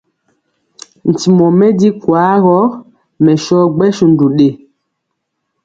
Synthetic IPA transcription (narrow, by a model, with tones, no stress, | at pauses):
n̩˨ti˨mɔ˨mɛ˦di˦kwa˨˦ɣɔ˦ | mɛ˨ʃɔ˦ɡ͡bɛ˦ʃu˨n˨du˨ɗe˨